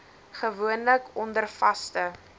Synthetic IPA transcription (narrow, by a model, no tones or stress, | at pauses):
χəvuənləkɔndərfɐstə